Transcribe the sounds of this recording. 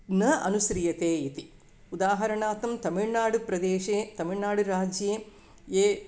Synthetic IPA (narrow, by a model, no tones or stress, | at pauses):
nɐɐ̰nusɾijɐt̪eːit̪i | ud̪aːɦɐɾɐɳaːt̪ɐmt̪ɐmiɭnaːɽupɾɐd̪eːʃeːt̪ɐmiɭnaːɽuɾaːd͡ʒje | eː